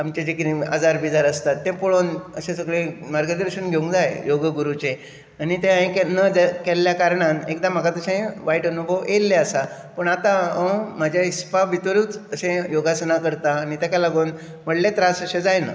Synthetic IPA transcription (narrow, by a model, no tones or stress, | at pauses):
amt͡ɕed͡ʑekɾia̰d͡zaɾbid͡zaɾəst̪at̪ːẽpoɭonəsẽsəɡɭemaɾɡəd̪əɾəɕənɡʱeũŋkd͡zajjoɡəɡuɾut͡se | anit̪ẽãẽkenəd͡zkelːjakaɾɳãnekd̪ãm̤akat̪əɕẽʋaiʈənubʱəʋelːeəsa | pəɳat̪ãəm̤ad͡ʑʱjaispaʋit̪əɾuːt͡səsẽjoɡasənakəɾt̪aːnit̪jakalaɡoːn | m̤əɽlet̪ɾasəɕẽd͡zajnə̰